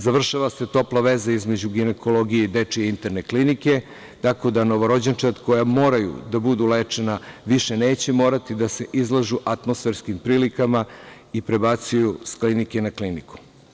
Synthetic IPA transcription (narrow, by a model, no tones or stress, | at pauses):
zaʋr̩ʃaʋase̞t̪o̞plˠaʋe̞zaizme̞d͡ʑuɡineko̞lo̞ɡijeid̪et͡ʂieint̪eɾne̞klinike̞ | t̪ako̞d̪ano̞ʋo̞ɾo̞d͡ʑent͡ʃat̪ko̞jamo̞ːɾajṵd̪abud̪uleːt͡ʂe̞naʋiʃene̞ːt͡ɕemo̞ːɾat̪id̪ase̞ʔizlˠaʒuʔat̪mo̞sfe̞ɾskimpɾiːlikama | ipɾe̞bat̪sujusklinike̞nakliniku̥